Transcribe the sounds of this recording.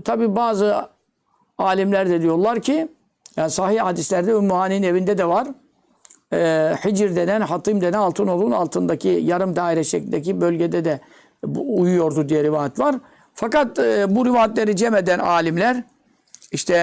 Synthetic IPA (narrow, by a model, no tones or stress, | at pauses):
t̪ʰabiːbaːzɯ | aːlʲimlʲæɾd̪ɛd̪ijo̞ɾlˠaɾcʰi | jaːnisahihhad̪islʲæɾd̪ɛømuaːniːinevind̪ɛd̪ɛvaɾ | hid͡ʒɾd̪enænɦat̪ʰimd̪enɛɑlˠt̪ʰɯno̞lˠuna̰lˠt̪ʰɯnd̪acʰijaɾɯmd̪aːiɾɛʃeclʲinʲd̪ɛcibø̞lʲɟed̪ɛd̪ɛ | bujujo̞ɾd̪ud̪ijɛɾivaːjɛt̪vaɾ | fakat̪ːbuɾivaːjɛt̪lʲeɾid͡ʒɛmed̪ænaːlʲimlʲæɾ | iʃt̪ʰɛ